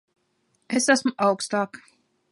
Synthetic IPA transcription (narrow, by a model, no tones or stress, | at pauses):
esasmuʔɑwkst̪ɑːk